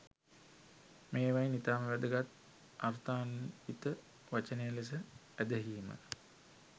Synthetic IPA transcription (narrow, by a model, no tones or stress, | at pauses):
meːʋajnit̪aːməʋæd̪əɡat̪ | art̪aːnunit̪ə | ʋat͡ʃənejəles̬ə | æd̪əɦiːmə̰